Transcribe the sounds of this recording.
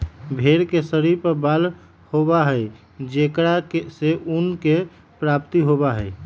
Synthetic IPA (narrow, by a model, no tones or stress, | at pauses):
bʱeɾkesəɾipəbal | hobaɦəj | d͡ʒekɽakeseʔunke | pɾap̚t̪iɦobaɦəj